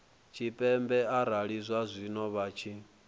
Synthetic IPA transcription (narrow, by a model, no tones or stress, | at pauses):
t͡ʃʰipʼɛmbɛaɾ̤aɺizʷazʷinɔβaːt͡ʃʰi